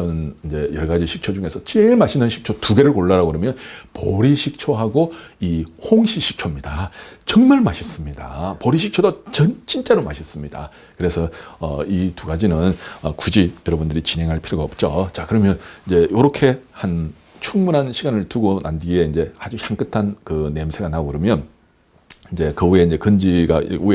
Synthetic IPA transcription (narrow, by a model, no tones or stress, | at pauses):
ʌnind͡ʑe̞jʌɭɡad͡ʑiɕʰik̚t͡ɕʰod͡ʑuŋe̞sʰʌt͡ɕiɦeŋiɭmaɕʰinɯnɕʰi̥k̚t͡ɕʰotuɡe̞ɾɯɭkoɭːaɾaɡoɯɾʌmjʌnpʌɾiɕʰik̚t͡ɕʰoɦaɡoihoŋɕʰiɕʰik̚t͡ɕʰomɲidat͡ɕʌŋmaɭmaɕʰis͈ɯmɲida̰pʌɾiɕʰik̚t͡ɕʰodot͡ɕʌnt͡ɕʰint͡ɕ͈eɾoma̰ɕʰis͈ɯmɲida̰ | kɯɾe̞sʰʌʌ̰ituɡad͡ʑinɯnʌkud͡ʑijʌɾʌbundɯɾit͡ɕinɦe̞ŋɦaɭpʰiɾoɡaʌp̚t͡ɕ͈ot͡ɕakɯɾʌmjʌnind͡ʑe̞joɾokʰe̞han | t͡ɕʰuŋmunɦanɕʰiɡanɯɭtuɡonʔandie̞ind͡ʑe̞had͡ʑuçjaŋk͈ɯtʰankɯne̞msʰe̞ɡanaɡɯɾɯmjʌn | ind͡ʑe̞kɯue̞ind͡ʑe̞kɯnd͡ʑiɡa̰ue